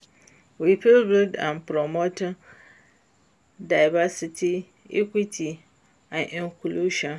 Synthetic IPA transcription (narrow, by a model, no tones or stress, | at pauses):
wipʰɪlbɪldã̰npʰɾɔmotɪ̃ | daɪvasitʰi | ḭkʷitʰi | ãnʔɪ̃ŋkʰʷuluʃa